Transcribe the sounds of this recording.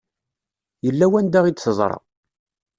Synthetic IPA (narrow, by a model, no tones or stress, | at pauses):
jəlːæwænd̪æʁid̪səzˤɾˤɑ̰